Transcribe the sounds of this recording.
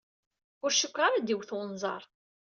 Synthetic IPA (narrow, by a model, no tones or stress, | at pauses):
ʊɾʃəkʷːɾˤaɾad̪iwθwnzˤɑ̰ɾˤ